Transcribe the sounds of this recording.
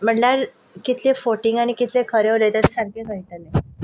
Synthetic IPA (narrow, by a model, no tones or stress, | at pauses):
m̤əɳlaɾ | kit̪ʰlefoʈiŋɡañikit̪ʰlekʰəɾeɾet̪ət̪saɾkʰekəit̪əle